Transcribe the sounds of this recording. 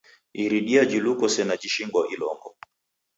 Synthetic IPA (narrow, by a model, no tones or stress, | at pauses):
iɾiɗiad͡ʒilukɔsɛnad͡ʒiʃiŋɡwɔʔilɔŋɡɔ̰